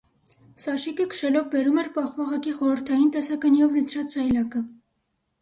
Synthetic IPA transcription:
sɑʃikəkə̥ʃɛlɔvbɛɾumɛɾpɑχvɑʁɑkiχɔɾəɾt̪ʰɑjint̪ɛsɑkɑnijɔvlət͡sʰɾɑt͡szɑjlɑkə

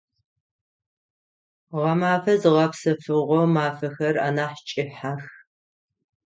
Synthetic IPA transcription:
ʁɐmaːfɐzɨʁɐpsɐfɨʁʷɔmaːfɐxɐra̰ːnaːħt͡ʃʼɪħax

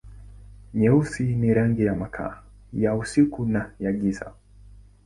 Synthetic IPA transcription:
ɲɛusiniɾaŋɡijamakʰa̰ː | jausikunajaɡisa̰

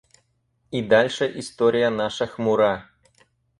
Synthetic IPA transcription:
id̪ɑlʲʂəʔist̪oɾʲijənɑʂɨ̆xmuɾɑ

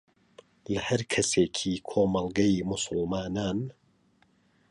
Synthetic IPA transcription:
lɐhɐɾkʰɐseːkʰiːkʰoːmɐlˠɡɐjmʊsʊlˠmaːnaːn

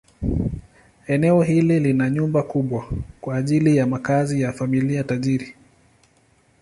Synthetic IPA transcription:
ɛnɛɔɦililinaɲumbakuɓwakwaːʄilijamakazijafamiliataʄiɾi

